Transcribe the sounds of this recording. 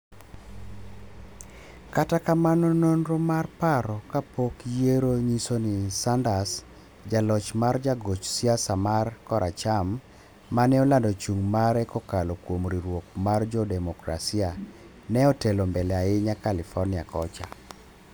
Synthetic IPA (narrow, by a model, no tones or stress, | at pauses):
katakamanɔnonɾɔmarpaɾɔkapokjeɾoɲisonɪsandas | d͡ʒalɔt͡ʃmard͡ʒaɡot͡ʃsiasamarkɔɾʔat͡ʃamː | anɛɔlandɔt͡ʃuŋmaɾɛkɔkalɔkwomɾiɾwokmard͡ʒɔdɛmɔkɾa̰sia | nɛɔtelombɛlɛaɪɲakalɪfɔrnɪa̰kɔt͡ʃa̰